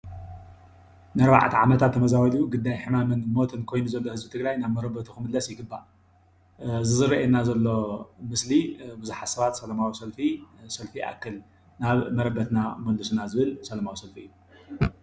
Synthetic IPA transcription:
nɨɐɾba̰ʕt̪ʰiʕamɐt̪ʰat̪ʰːɐmɐzawɐlijuɡɨd̪ːajħɨmamɐnmo̞t̪ʰɨnkʰo̞jnuzɐlːo̞hɨzbit̪ʰɨɡɾajnaβmɐɾɐbɐt̪ʰuxɨmɨd̪lɐsjɪɡɨbːaʔ | zɨzɨɾɐʔenazɐlːo̞mɨslibɨzuħasɐβat̪sɐlɐmawisɐlfisɐlfiʔa̰kʰːɨl | naβmɐɾɐbɐt̪namɐldɨsunazɨβɨlsɐlɐmawisɐlfiɨju

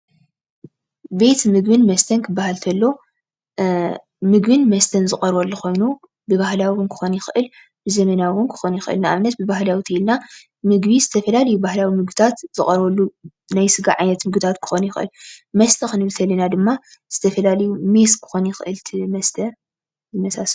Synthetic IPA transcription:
be̞t̪mɨɡbɨnmɐst̪ʰɐnkʰɨbːahalt̪ʰɐlːo̞ | mɨɡbɨnmɐst̪ʰɐnzɨχʼɐɾwolːuxo̞jnu | bɨβahlawɨnkʰɨ̥xo̞njɪxʔɨl | bɨzɐmɐnawʊnkʰɨ̥xonjɪxʔɨ̰lnaʔaβnɐt̪bɨbahlawit̪ʰɐilna | mɨɡβizɨt̪ʰɐfɐlalɐjubahlawimɨɡbɨt̪ʰat̪z̥ɨχʼɐɾolːu | najsɨɡaʕajnɐt̪mɨɡbɨt̪ʰat̪kʰɨ̥xonjɪxʔɨ̰lmɐst̪ʰɐxɨnɨβɨt̪ʰɐlinad̪ɨmːaz̥ɨt̪ʰɐfɐlalɐjume̞skʰɨ̥xo̞njɪxʔɨlt̪ʰimɐst̪ʰɐ | zɨmɐsas

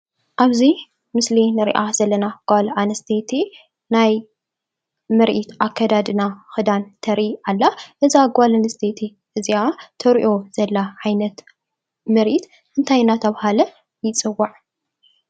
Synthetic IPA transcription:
ʔaβzi | mɨslinɨɾḭʔazɐlːɐnaɡ̥ʷalanɐst̪ʰet̪ʰi | naj | mɨɾʔit̪ʔakʰːɐd̪ad̪ɨnaxɨd̪ant̪ʰɐɾialːaʔɨzaɡʷalanɨst̪ʰet̪ʰi | ʔɨziat̪ʰɐɾʔo̞z̥ɐlːaʕajnɐt̪ | mɨɾʔit̪ | ɨnt̪ʰajnat̪ʰɐβhalɐ | jɪt͡sʼɨwːaʕ

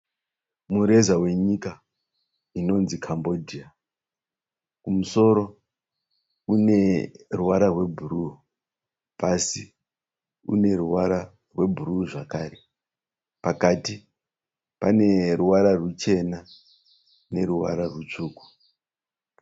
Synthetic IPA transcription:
muɾe̞zawe̞ɲika | ino̞nzikʰambo̞dʱia | kumuso̞ɾo̞ | une̞ruwaɾarwe̞bʱuɾu | pasi | ṵne̞ɾuwaɾa | rwe̞bʱuɾuʐakaːre̞ | pakati | pane̞ruwaɾarut͡ʃe̞na | ne̞ɾuwa̰ɾarut͡ʂuːku̥

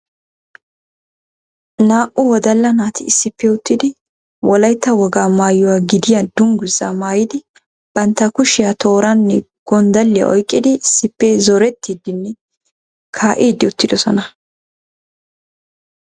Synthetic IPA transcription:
naːʔʊwɔd̪ɐlːɐnaːt̪ɪːsːɪpːɛʊt̪ːɪd̪ɪ | wɔlɐjt̪ːɐwɔɡaːmaːjʊwaːɡɪd̪ɪjɐd̪ʊŋɡʊzːamaːjɪd̪ɪ | b̥ɐnt̪ːɐkʊʃɪjɐt̪ʰo̞ːɾɐnːɛɡ̥ɔnd̪ɐlːɪja̰ʔɔjkʼːɪd̪ɪɪsːɪpːɛzɔɾɛt̪ːiːd̪ɪnːɛ | kʰaːʔiːd̪ɪʊt̪ːɪd̪ɔsɔnɐ

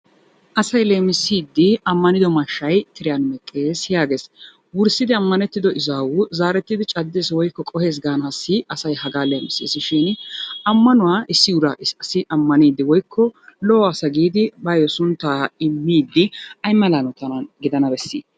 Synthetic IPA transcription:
ʔɐsɐjle̞ːmɪsːiːd̪ːɪɐmːɐnɪd̪ɔmɐʃːɐjt̪ɪɾɪjanmɛkʼːeːsjaːɡe̞ːs | wʊɾsɪd̪ɪɐmːɐnɛt̪ːɪd̪ɔʔɪzaːwʊzaːɾɛt̪ːɪd̪ɪt͡ʃʼɐd̪ːɛswɔjkːɔkʼɔhe̞ːs̬ɡaːnɐsːɪɐsɐjhɐɡaːle̞ːmɪsḭːsɪʃɪnɐmːɐnʊwaːʔɪsːɪʊɾɐ̰ɐsɪʔɐmːɐniːd̪ːɪwɔjkʰːɔlɔɔɐsɐɡiːd̪ɪbɐjɔsʊnt̪ːaːɪmːiːd̪ːɪɐjmːɐlanɔt̪ɐnɐnɡɪd̪ɐnɐbɛsːḭː

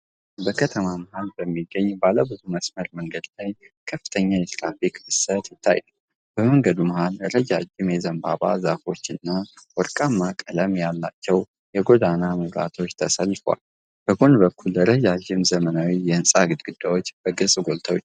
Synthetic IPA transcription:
bəkʰət̪ʰəmaməhalbəmːiɡːəɲːbaləbɨzuməsməɾməŋɡəd̪lajkʰəfːɨ̥t̪ʰəɲːajɛt̪ʰɾa̰fikʼɨsət̪jɪt̪ʰːa̰j | b̥əməŋɡəd̪uməhalɾəd͡ʒad͡ʒɪmjɛzəmba̰βa̰zafo̞t͡ʃːɨnːawɔɾkʼamːakʼələmjalːat͡ʃːɛw | jɛɡo̞d̪anaməβɾa̰t̪ʰo̞t͡ʃːt̪ʰəsəlːfəwa̰l | b̥əɡonbəkʰːulːəɾəd͡ʒad͡ʒɪmzəmənawijɛɨnsʼaɡɨd̪̚ɡɨd̪̥ːawot͡ʃːb̥əɡɨsʼɡo̞lt̪ʰəwot͡ʃː

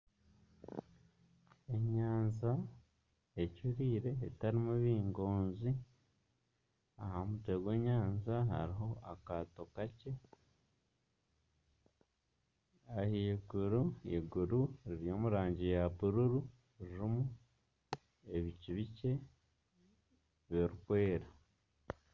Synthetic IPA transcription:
e̞ɲaːnza | ecuɾiːɾe̞ːtaɾimuβiːŋɡo̞ːnzi | ahamute̞ɡwe̞ːɲaːnzaɦa̰ɾiɦo̞akato̞kace̞ | ahiɡuɾueɡuɾuɾiɾijo̞ːmuɾaːɲɟijaβuɾuɾu | iɾimu | e̞βiciβice̞ | βeɾukwe̞ːɾa

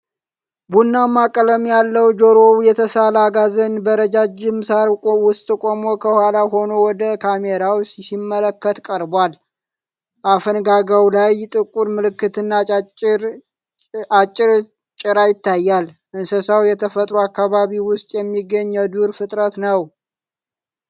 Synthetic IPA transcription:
bunːamakʼələmjalːəwd͡ʒoɾowjɛt̪ʰəsalaɡazənbəɾəd͡ʒad͡ʒɪmsaɾkʼowʊst̪ʼɨkʷʼomokʰəhalaɦo̞nowɔd̪əkʰameɾawssimːələkːət̪kʼəɾbwal | bafənɡaɡawlajt̪ʼɨkʼuɾmɨlɨkːɨt̪ɨnːa | at͡ʃʼːɪɾ | t͡ʃʼɪɾajɪt̪ːajːal | ʔɨnsəsawjɛt̪ʰəfət̪ʼɾuakːaβaβiwʊst̪ʼjɛmːiɡːəɲːɛd̪uɾfɨt̪ʼɾət̪nəw

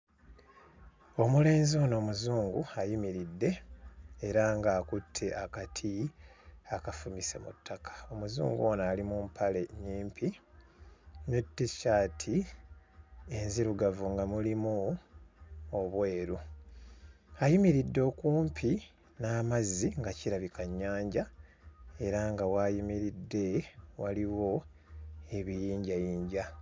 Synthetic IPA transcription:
o̞mule̞ːnzioːno̞ːmuzuːŋɡṵajimiɾidːe̞ː | ɾaŋɡaːkutʰːe̞ʔakatʰi | akafumise̞̰mṵtːakʰḁo̞muzṵːŋɡuo̞naːlimumpʰale̞ɲiːmpʰi | nutːiʃaːtʰi | e̞nziɾuɡavuŋɡamulimu | oβwe̞ːɾu | ajimiɾidːo̞ːkuːmpʰi | naːmazːiŋɡaciɾaβikaɲːaːɲɟa | e̞ɾaŋɡawaːjimiɾidːe̞waliwo̞ | e̞βijiːɲɟajiːɲɟa

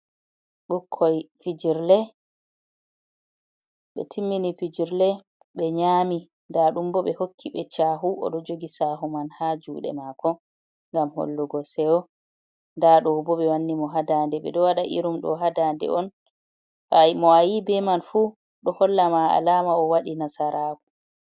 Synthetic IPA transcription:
ɓukʰːɔjfid͡ʒiɾlɛ | ɓɛ̰tʰimːinifid͡ʒiɾlɛ | ɓɛɲaːmi | ndaɗumbɔɓɛhokʰːiɓɛt͡ʃaɦuʔɔ̰ɗɔd͡ʒoɡisaɦumanhad͡ʒuːɗɛ̰makʰɔ | ŋɡamho̰lːuɡɔsɛwɔ | ndaɗɔbɔɓɛwanːimɔɦadandɛɓɛ̰ɗɔwaɗaʔḭɾumɗɔ̰ɦadandɛ̰ʔɔn | amɔajibɛmanfu | ɗɔhɔlːamaa̰laːmaɔwaɗinasaɾʔaːkɔ̥

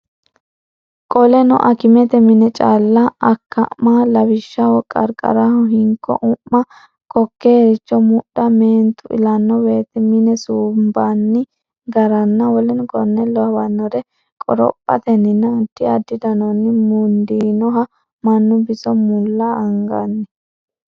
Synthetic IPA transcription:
kʼɔlɛnɔ̰ʔɐkɪmɛt̪ɛmɪnɛt͡ʃʼalːɐːkːɐ̰malɐwɪʃːɐwɔkʼɐ̰ɾkʼɐ̰ɾahɔhɪŋkːɔ̰ʔʊmːɐ | kɔkːeːɾɪt͡ʃːɔmʊɗɐmeːnt̪ʊʔɪ̰lɐnːɔwe̞ːt̪ɛmɪnɛsuːmbanːɪ | ɡɐɾɐnːɐwɔlɛnʊkʼɔnːɛlːɔhɐbɐnːɔɾɛ | kʼɔɾɔ̰pʼːɐ̰t̪ɛnɪnːɐːd̪̥ːɪɐd̪ːɪd̪ɐnɔnːɪmund̪iːnɔɦɐ | mɐnːʊbɪsɔmʊlːɐːŋɡɐnːɛ

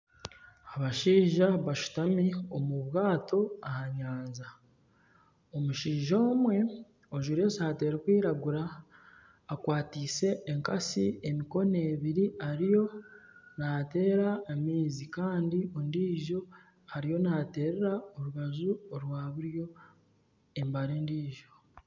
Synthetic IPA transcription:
aβaʃiːʒaβaʃu̥tamio̞muβwaːto̞ahaɲaːnza | omuʃiːʒo̞ːmwe̞ | o̞ʒuɾesaːte̞ːɾekwiːɾaɡuɾaː | kwaːtise̞ːŋka̰siemiko̞ne̞ːβiɾiaɾijo̞nate̞ːɾaːmiːzikaːndiondiːʒo̞ | haɾijo̞naːte̞ːɾeɾaoɾuɣazuoɾwaːβuɾjo̞ | e̞mbaɾeːndiːʒo̞

